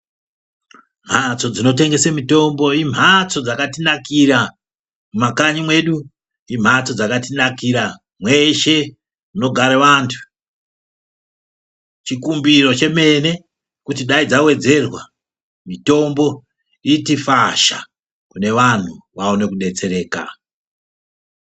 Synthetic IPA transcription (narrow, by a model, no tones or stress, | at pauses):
m̤at͡so̞d͡zino̞te̞ŋɡe̞semito̞mbo̞im̤at͡so̞d͡zakatinakira | mumakaɲimwe̞ɗu | im̤at͡so̞d͡zakatinakiɾa | mwe̞ʃe̞ | muno̞ɡʱaɾeʋaːntʰu̥ | t͡ʃikumbiro̞t͡ʃe̞me̞ne̞ | kutiɗaid͡zawe̞d͡ze̞rwa | mito̞mbo̞ | itifaʃa̰ | kune̞ʋan̤uʋaone̞kuɗe̞t͡se̞ɾe̞ːka̰